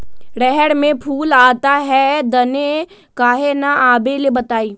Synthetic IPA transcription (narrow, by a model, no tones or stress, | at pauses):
ɽɛɦɛɽmẽpʰuːlaːt̪aɦɛd̪ɐne | kaːɦenaaːbelebɐt̪aːiː